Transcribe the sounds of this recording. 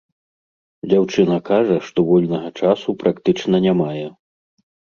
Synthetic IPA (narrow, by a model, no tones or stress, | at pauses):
d͡zʲawt͡ʂɨnɐkaʐɐʂt̪ɔvɔlʲnɐɣɐt͡ʂasupɾakt̪ɨt͡ʂnɐnʲamajɛ